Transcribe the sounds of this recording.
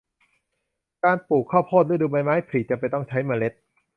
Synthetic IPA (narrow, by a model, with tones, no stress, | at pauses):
kaː˧npuː˨˩kʰːɔː˥˩pʰoː˥˩t̪̚ɯː˦˥˩duː˧ba˧jmaː˦˥jpʰɾiː˨˩t͡ɕa˨˩pa˧jt̪ɔ˥˩ŋt͡ɕʰa˦˥jmaː˧le˦˥t̪̚